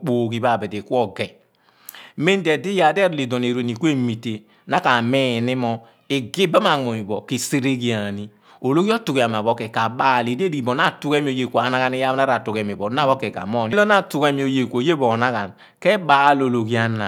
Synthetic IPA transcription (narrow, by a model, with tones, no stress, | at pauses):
k͡po˨ɡi˨ba˦˨be˨de˨kʷɔ˦ɡɛ˨ | me˦n˦de˨di˦ja˨dɛ˦ɾli˨dɔ˨n˨e˨ɾe˨ni˨kʷe˦mi˨te˨ | na˦ka˨me˦˨ni˦mɔ˦ | i˨ɡi˦ba˦ma˨ŋo˨i˨bɔ˨ki˨se˦ɾe˦ɡi˨a˨ni˦ | o˨lo˦ɡi˦ɔ˦tu˨ɡi˨a˨m˨a˨βɔ˦kɛ˨ka˨ɓa˦˨li˨de˦di˨i˨bɔ˨n˦a˦˨tu˦ke˦mi˨o˨je˨kʷa˨na˦ɣa˨ni˦ja˦na˦ɾa˨tu˨kɛ˨mi˨bɔ˨˦n˦a˦βɔ˦kɛ˨ka̰˨mɔ˦˨ni˦lɔ˦na˦˨tu˨ɡe˦mi˨o˨je˨kʷo˨je˦bo˨na˦ɣa˨n | kɛ˦baː˦lo˨lo˨ɡi˦a˦na˨